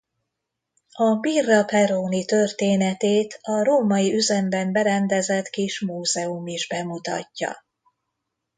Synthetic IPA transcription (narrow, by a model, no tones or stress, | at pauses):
ɒbirːɒpɛɾoːnit̪ørt̪eːnɛt̪eːt̪ʰɒɾoːmɒjiyzɛmbɛmbɛɾɛnd̪ɛzɛt̪kiʃmuːzɛumiʒbɛmut̪ɒ̰cːɒ̰